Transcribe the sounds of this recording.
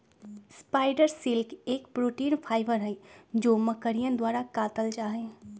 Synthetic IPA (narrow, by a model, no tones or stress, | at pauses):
spaːɪɖəɾsɪlkeːkpɾoːʈiːnpʰaːɪbəɾɦɛd͡ʒoːməkəɾijə̃d̪waːɾakaːt̪əld͡ʒaːɦɛ̃ː